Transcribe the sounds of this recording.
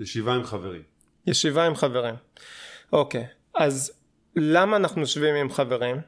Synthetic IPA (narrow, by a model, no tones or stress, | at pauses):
jeʃivaimχaveʁim | jeʃivaimχave̞ʁimʔo̞kej | az | lamaːnaχnujoʃvimimχave̞ʁim